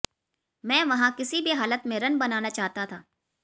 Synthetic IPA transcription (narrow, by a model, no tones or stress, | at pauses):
mɛ̃ːʋɐɦãkɪsibʱiɦaːlət̪mẽɾɐnbɐnaːnat͡ʃaːɦt̪at̪ʰaː